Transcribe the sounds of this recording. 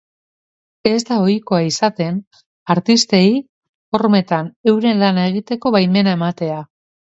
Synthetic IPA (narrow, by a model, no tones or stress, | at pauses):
e̞zd̪ao̞jko̞aisat̪e̞n | aɾt̪ist̪e̞i | o̞rme̞t̪ane̞wɾe̞nlanae̞ɣ̞it̪e̞ko̞βajme̞nae̞mat̪e̞a